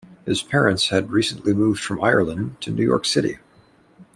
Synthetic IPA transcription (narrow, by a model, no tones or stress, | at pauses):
hɨz̥pʰɛɹɨ̃ntshɨd̚ɹisə̃n̩ʔlimuvd̥fɹʌ̃maɪə˞lˠə̃ntʰɨnʉjɔ̰ɹksɪɾḭ